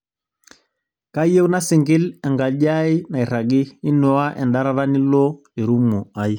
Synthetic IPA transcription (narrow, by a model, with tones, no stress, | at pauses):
ka˦i˦e˦u˦na˦si˨ŋɡi˦lɛ˨ŋɡa˨ɟa˦i˦na˨i˨ɾa˨ɡiː˦nɔ˨˦a˦ʔɛ˨nda˦ɾa˦ɾa˦ni˦lɔ˦ | e˨ɾu˦mu˨a˨i˦